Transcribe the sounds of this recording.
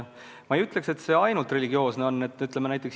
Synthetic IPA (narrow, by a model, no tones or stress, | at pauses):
mɑejyt̪le̞kse̞t̪se̞ːɑjnult̪re̞lʲiɡ̥io̞ːsne̞o̞nːet̪ːyt̪ːˑlemenæjt̪ːˑeks